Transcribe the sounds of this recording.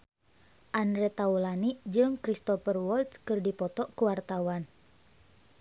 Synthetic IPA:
ʔandɾɛt̪aulaniʔd͡ʒɨŋkɾist̪ɔfərwɔlt̪skɨrdipɔt̪ɔʔkuwart̪awan

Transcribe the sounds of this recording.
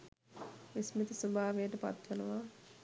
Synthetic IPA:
ʋismit̪əsobʱaːʋejəʈəpa̰t̪ʋenəʋa

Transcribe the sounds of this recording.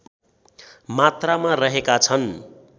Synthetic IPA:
mat̪ramarʌɦekat͡sʰʌn

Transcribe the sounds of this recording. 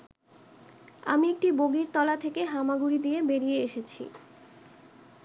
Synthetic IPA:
a̰miek̚ʈiboɡiɾt̪ɔlat̪ʰekeɦamaɡuɾid̪ijebeɾijeeʃet͡ɕʰḭ

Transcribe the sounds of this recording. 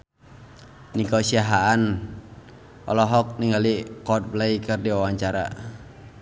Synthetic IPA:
nikɔsiaɦaan | ʔɔ̰lɔɦɔk̚niŋɡalikɔt̪̚blɛikɨrdiwawaɲt͡ʃaɾa̰

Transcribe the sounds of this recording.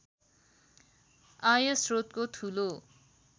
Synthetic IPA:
ajʌsrot̪̚kot̪ʰulo

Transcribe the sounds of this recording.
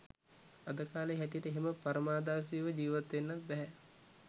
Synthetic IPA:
ad̪əkaːleɦɛʈ̬ijəʈəeɦeməpaɾəmaːd̪aːsiʋəd͡ʒiːʋat̪ʋenːat̪̚bɛɦɛ

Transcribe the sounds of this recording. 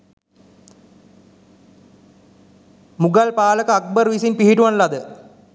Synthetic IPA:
muɡɐlpaːlɐkːɐɐk̚bɐrʋisinpiɦiʈuʋɐnlɐd̪ɨ

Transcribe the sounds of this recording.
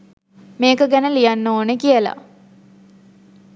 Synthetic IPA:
meːkəɡænəlijanːoːnekijəla̰

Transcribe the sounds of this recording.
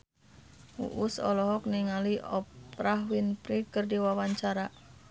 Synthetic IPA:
ṵʔusɔ̰lɔɦɔk̚niŋaliʔɔpɾaɦwinpɾikərdiwawaɲt͡ʃaɾa

